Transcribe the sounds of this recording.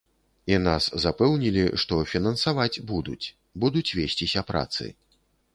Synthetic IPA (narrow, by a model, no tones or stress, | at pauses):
inaszapɛwnʲilʲiʂt̪ɔfʲinɐnsavad͡zʲbud̪ṵt͡sʲ | bud̪ut͡sʲvʲesʲt͡sʲisʲɐpɾa̰t̪sɨ̰